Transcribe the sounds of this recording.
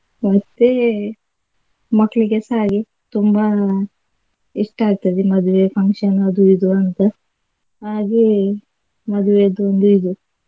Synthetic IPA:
ʋɐt̪ːe | mɐkːɭikesaːɡe | t̪umba | iʂʈɐaːɡ̚t̪ɐd̪imɐd̪uʋepʰɐŋkʂɐnɐd̪uid̪uɐnt̪ɐ | aːɡe | mɐd̪ʱuʋed̪uond̪uid̪u

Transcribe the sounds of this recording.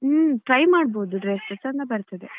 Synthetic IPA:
ʈɾɐjmaːɽ̚boːd̪uɖɾeːsesɐnt̪ɐbɐɾt̪ɐd̪e

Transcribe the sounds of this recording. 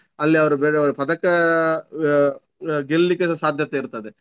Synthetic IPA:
ɐlːiɐʋɐɾubeːɽeɐʋɽpɐd̪ɐkɐ | ɡellikːesaːd̪ʱjɐt̪eiɾt̪ɐd̪e

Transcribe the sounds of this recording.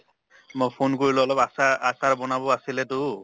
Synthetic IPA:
mopʰonkoɹilɔ̃ɔlɔpasaasaɹbɔnabɔasilɛtʊ

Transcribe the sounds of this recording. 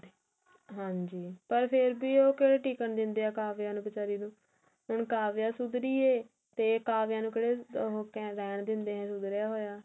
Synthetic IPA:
ɦãːɲd͡ʒiːpəɾpʰɪɾbiːoːkeːɽeːʈiːkəɳd̪ɪnd̪eːaːkaːʋjãːnũːbɪt͡ʃaːɾiːnũː | ɦʊɳkaːʋjaːsʊd̪ɾiːeː | t̪eːkaːʋjãːnũːkeɽeːɦokɛɾɛːɳd̪ɪnd̪eːɦɛ̃ːsʊd̪ɾɪjaːɦoːjaː

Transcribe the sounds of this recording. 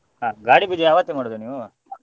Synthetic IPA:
ɦaːɡaːɽibid͡ʒɛjaːʋɐt̪ːemaːɽod̪uniːʋu

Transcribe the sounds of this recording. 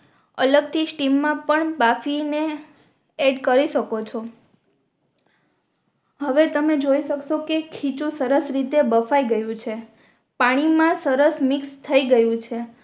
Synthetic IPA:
ə̰ləɡ̚t̪ʰisʈimːãpəɳbafine | eɖkəɾiʃəkot͡ʃʰo | ɦəʋet̪əmed͡ʒoiʃəkʃokekʰit͡ʃũsəɾəsɾit̪ebəfaiɡəjũt͡ʃʰe | paɽ̃imãsəɾəsmikst̪ʰəiɡəjũt͡ʃʰe

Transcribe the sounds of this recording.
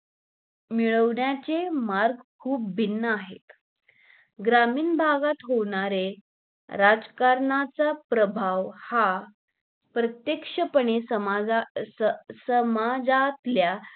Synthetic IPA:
miɭəʋɳjat͡semaɾɡkʰuːp̚binːəaɦḛt̪ | ɡɾamiːnbʱaɡat̪ɦoɳaɾe | ɾad͡zkaɾɳat͡sapɾəbʱaʋha | pɾət̪jekʂəpəɳesə | səmad͡zat̪lja

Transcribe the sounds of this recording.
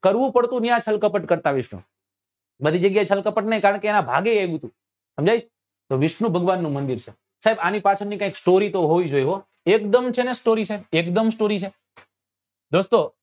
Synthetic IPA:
kəɾʋũpəɽt̪ũnjãt͡ʃʰəlkəpəʈkəɾt̪aʋɪʃnṵ | bəd̪ʱid͡ʒəɡjaet͡ʃʰəlkəpəʈnəjkaɾəɳkeːnabʱa̰ɡeajɡũt̪ũ | səmd͡ʒʱajd͡ʒʰ | t̪oʋɪʃnũbʱəɡʋanːũmənd̪iɾt͡ʃʰe | saɦebanipat͡ʃʰənnikãĩksʈoɾit̪oɦoid͡ʒojɦo | ekd̪əmt͡ʃʰenesʈoɾisaebekd̪əmsʈoɾit͡ʃʰe | d̪ost̪o

